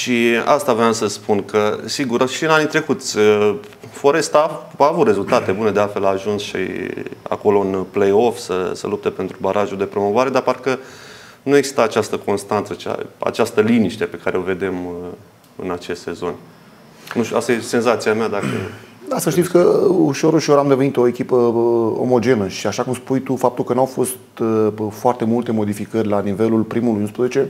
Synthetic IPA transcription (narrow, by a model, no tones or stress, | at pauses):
ʃia̰st̪avɾeamsəspunkʰəsiɡuɾʃiɨnanit̪ɾe̞kut̪sʲə | fo̞ɾe̞st̪aaːvut̪re̞zult̪at̪e̞bune̞d̪ealfe̞laːʒunsʃḭa̰ko̞lo̞ɨnplejo̞fsə̰sə̰lup̚t̪e̞pe̞nt̪ɾubaɾʔaʒuld̪e̞pɾo̞mo̞vaɾe̞d̪aparkə | nueɡz̥i̥st̪aːt͡ʃast̪əko̞nst̪ant̪sət͡ʃa̰a̰t͡ʃast̪əliniʃt̪e̞pe̞kaɾeo̞ve̞d̪e̞m | ɨ̰nat͡ʃe̞st̪se̞zo̞nʲ | nuʃt̪ʲua̰st̪ajese̞nzat̪siamead̪akəast̪ːəʃt̪it̪sʲkəuʃo̞ɾuʃo̞ɾamd̪evenit̪o̞e̞kʲipəo̰mo̞d͡ʒe̞nəʃiaʃakumspujt̪ufap̚t̪ulkənuawfo̞st̪foart̪e̞mult̪e̞mo̞d̪ifikərʲlanive̞lulpɾimulujunspɾəzet͡ʃe̞